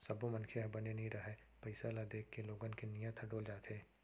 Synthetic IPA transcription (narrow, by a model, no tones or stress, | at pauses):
sɐbomɐnkʰeɦɐbɐnenɐɦĩɾɐɦɛ | pɐɪsalad̪eːkːeloːɡənkenijãt̪ʰɐɖoːld͡ʒaːt̪ɦeː